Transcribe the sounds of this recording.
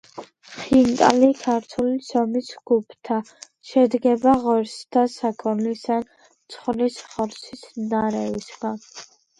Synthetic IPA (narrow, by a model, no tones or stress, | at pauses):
χint̪ʼa̰likʰaɾt̪ʰulisɔmisɡ̥upʰt̪ʰa | ʃɛd̪ɡɛbaʁɔɾst̪ʰasakʰɔnlisan | t̪sʰχlisχɔɾsʰisnaɾɛvisɡan